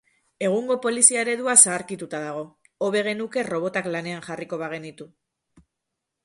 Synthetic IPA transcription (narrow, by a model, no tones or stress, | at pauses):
e̞ɣ̞uŋɡo̞po̞lisiaeɾe̞ðuasaːɾkit̪ut̪aðaɣ̞o̞ | oβe̞ɣ̞e̞nuke̞ro̞β̞o̞t̪aklane̞anʝariko̞βaɣ̞e̞nit̪u